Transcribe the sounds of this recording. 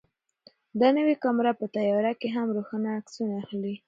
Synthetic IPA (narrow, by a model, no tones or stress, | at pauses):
d̪ɑnəwekamɾapət̪ajɑɾakeɦamɾoxanaːksunaaxli